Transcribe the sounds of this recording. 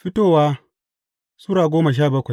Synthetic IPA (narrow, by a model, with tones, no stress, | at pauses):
ɸɪ˦toː˦˨waː˦ | su˦ɾaː˨ɡʷoː˦ma˨ʃ̬aː˦˨bɐ˦kʷa˨